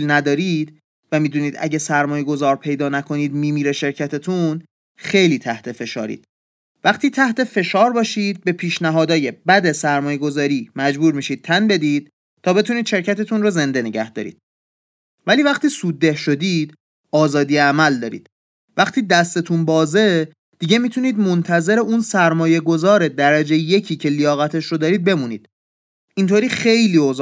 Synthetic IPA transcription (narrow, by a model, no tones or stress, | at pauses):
lnæd̪ɒːɾiːd̪̥ | væmiːd̪uːniːd̪æ̰ɟesæɾmɒːjeɡo̞zɒːɾpʰe̞jd̪ɒːnækʰo̞niːd̪miːmiːɾeʃe̞ɾcʰæt̪ʰet̪ʰun | xejliːt̪ʰæht̪ʰe̞fe̞ʃɒ̰ːɾḭːd̪̥ | væχt̪ʰiːt̪ʰæht̪e̞fe̞ʃɒːɾbɒːʃiːd̪̚be̞pʰiːʃnæɦɒːd̪ɒːje̞bæd̪e̞sæɾmɒːjeɡo̞zɒːɾiːmæd͡ʒbuːɾmiːʃiːd̪̥̚t̪ʰænbe̞d̪iːd̪̥ | t̪ʰːɒːbe̞t̪ʰuniːd̪̥ʃe̞ɾcʰæt̪ʰet̪ʰunroze̞nd̪e̞neɟæhd̪̥ɒ̰ːɾḭːd̪̥ | væliːvæχt̪iːsuːd̪ːe̞hʃo̞d̪iːd̪̥ | ɒːzɒːd̪ijeæmæld̪ɒːɾḭːd̪̥ | væxt̪ʰiːd̪æst̪e̞t̪ʰunbɒːze̞ | d̪̥iɟe̞mit̪ʰuniːd̪mont̪ʰæze̞ɾe̞ʔunsæɾmɒːje̞ɡo̞zɒːɾed̪æɾæd͡ʒejeje̞cʰiːcʰe̞lijɒːɣæt̪ʰe̞ʃɾod̪ɒːɾiːd̪̚be̞muniːd̪̥ | ʔint̪ʰoːɾiːxe̞jliːoz